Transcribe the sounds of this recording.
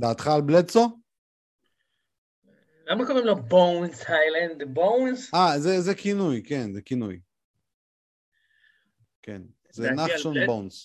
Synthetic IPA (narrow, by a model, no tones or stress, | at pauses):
d̪aːt̪χalblet͡so | lammekoʁimlobownshajlãnd̪bõwnzazezekinujkenzekinṵj | kḛn | zenaχʃonbowns